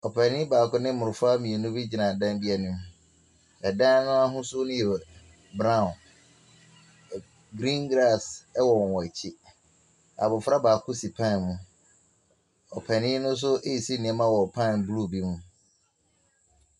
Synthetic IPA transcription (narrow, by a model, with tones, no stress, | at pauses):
ɔ˨pʰɛ˨nɪ̃˦baː˨kʰʊ˦nɪ̃˦mʊ̃˨ɾʊ˨fa˦mĩ˨e˨nʊ̃˦bi˦d͡ʑi˨nã˨dã˦ndɪ˦ɛ˦nʊ̃˦m˦ | ɛ˨dã˦nʊ̃˦a˦ɦʊ̃˦sʊ˦nʊ̃˦ji˨ɾɛ˨ | bɾã˦˨n | ɡɾĩ˦ŋɡɾa˦˨sɛ˦wɔ˨wɔ˨ɛ˨t͡ɕʰɪ˦ | a˨bʊ˨fa˦baː˨kʰʊ˦si˨pʰã˦˨nmũ˦ | ɔ̰˨pʰɛ˨nɪ̃˦nʊ̃˦s̬ʊ˦ʔe˦i˨si˦nĩ˨ɛ˦mã˦wɔ˨pʰã˦˨nblu˦˨bi˦mũ˦